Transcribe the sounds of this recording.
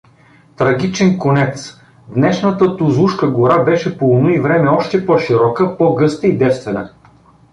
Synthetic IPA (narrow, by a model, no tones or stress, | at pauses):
t̪ɾɐɡ̟ʲit͡ʃɛnkonɛt̪s | d̪nɛʃnət̪ət̪ozˠuʃkəɡoɾabɛʃɛpolˠnoivɾɛmɛɔʃt̪ɛpɔʃiɾɔkəpɔɡɤst̪əid̪ɛt̪st̪vɛnə̰